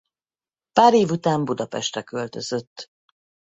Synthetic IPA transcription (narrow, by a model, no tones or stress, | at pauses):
paːɾeːvut̪aːmbud̪ɒpɛʃt̪ɛkø̞lt̪ø̞z̥ø̞t̪ː